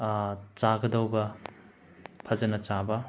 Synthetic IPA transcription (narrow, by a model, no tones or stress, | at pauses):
t͡ʃaɡɐdɐwbɐ | pʰɐzɐnɐt͡ʃabɐ